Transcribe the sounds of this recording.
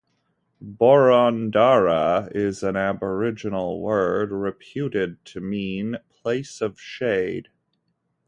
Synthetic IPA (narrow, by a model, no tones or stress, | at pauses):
bɔɹɑ̃ndɑɹəɪzɨ̃næbə˞ɪd͡ʒɨnl̩ˠwɜ˞d̚ɹɨpʰj̥ʉɾɪd̚tʰɨmĩnpʰl̥eɪsʌv̥ʃeɪd̥